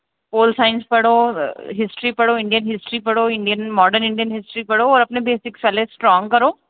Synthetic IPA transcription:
poːlsaːɪnspɐɽ̤oɦɪsʈɾipɐɽoɪ̃ɳɖijənɦɪsʈɾipɐɽ̤oɪ̃ɳɖijənmɔːɖəɾnɪ̃ɳɖijənɦɪsʈɾipɐɽoɔːɾɐpnebeːsɪkfɛlesʈɾɔːŋɡkɐɾoː

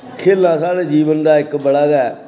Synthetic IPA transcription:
kʰeːlãːsaːɽeːd͡ʒiːʋənd̪aːɪkbəɽaːɡɛː

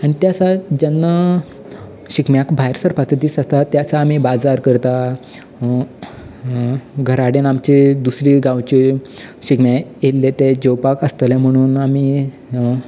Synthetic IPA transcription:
aɽ̃it̪jat͡sad͡ʑənːə | ɕikmjakbʱajɾsəɾpat̪ʰət̪iːsast̪at̪jat͡saːm̤ibad͡zaɾkəɾt̪a | ɡʱəɾaɽenamt͡ɕid̪usɾiːɡãwt͡ɕiɕikmjajelːet̪ed͡ʑowpakəst̪əljam̤əɽ̃uːnami

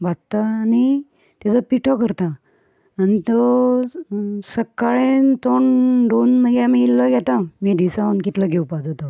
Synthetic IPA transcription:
bʱat̪ːaːni | t̪ad͡zɔpiʈʰɔkəɾt̪a | anit̪o | səkːaɭẽt̪oɳɖonməɡeamiːlːəɡʱɛt̪ãmid̪isaənkit̪ləɡʱewpad͡zot̪o

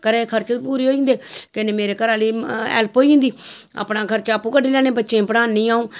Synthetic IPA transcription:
kəɾekʰəɾt͡ʃpuːɾiːɦoːĩːnd̪eːkɪneːmeːɾeːkəɾaːliːɛ̰ːlpɦoːiĩːnd̪iːa̰ːpnãːkʰəɾt͡ʃaːpũːkəɖiːlɛːñeːbətːʃẽːpəɽãːnːĩːaːũː

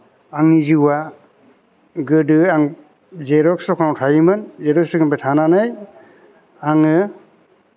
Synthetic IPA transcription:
aŋniziwa | ɡɯdɯaŋ | zeɾɔksɔkʰawtʰajimɯnzeɾɔk̚sɯkʰɯnpatʰananɯj | aŋɯ

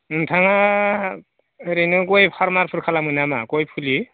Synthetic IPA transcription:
ɯntʰaŋa | ɾenɯkojpʰɔɾmaɾpʰuɾkʰalamujnama̰kojpʰuli

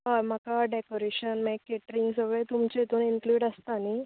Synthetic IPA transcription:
ɦam̤akaɖekoɾeɕənmɛkːeʈɾiŋɡsəɡɭet̪umt͡ɕet̪uːniŋkluːɽəst̪ani

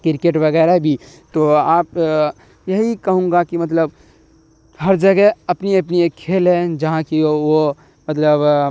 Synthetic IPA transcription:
kɪɾkeːʈʋɐɡɛːɾabʱi | t̪oaːp | jɐɦikɐɦũːŋ̆ɡakimɐt̪ləb | hɐɾd͡ʒɐɡɛɐpniɐp̬niekkʰːeːlɦɛ̃d͡ʒɐɦãkio | mɐt̪ləb

